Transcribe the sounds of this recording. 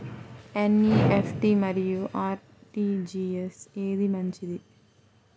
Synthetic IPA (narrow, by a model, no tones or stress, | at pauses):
enːiefʈimɐɾijuʔaːɾ | ʈiːd͡ʒiːeseːd̪imɐɲt͡ʃid̪i